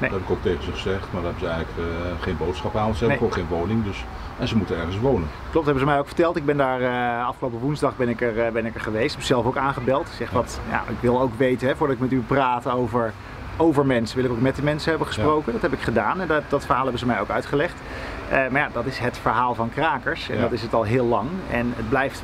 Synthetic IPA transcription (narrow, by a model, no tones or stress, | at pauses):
nedɛbɪkowk̚tejχənzəχəzɛχtmaːɹdaɦɛbənzəɛjələkχejnbowtsχɑpaːnsəɛbnefoχejnʋownɪŋdɵs | ɛnzəmutənɛɹənsʋownən | klɔp̚tɦɛbnzəmɛjoʊwkfə̥ɹtɛlˠtɪɡ̚bɛndaːɹəɑfχəlowpəʋunzdɑχbɛnɪkəɹbɛnɪkəɹχəʋejstɛpɪsɛlˠfowkaːnχəbɪlˠtz̥ɛχʋɑtja̰ʔɪ̰kʋɪlˠowkʋejtənɦɛvʊːɹdɑtɪkmɛtypraːtowvəɹ | owvəɹmɛnsəʋɪlˠɪkok̚mɛt̚dəmɛnsəɦɛbəχə̥sprowkəndɑtɦɛbɪkχədaːnɛndɑtfəɹɦaːlˠɦɛbənzəmɛjoʊwkœɥtχəlɛχt | əmaɹjaːdɑtɪsɦətfəɹɦaːlˠvɑnkraːkəɹsɛ̰nndɑtɪsətɑlˠɦɪːlːɑŋɛ̰nəd̚blɛjft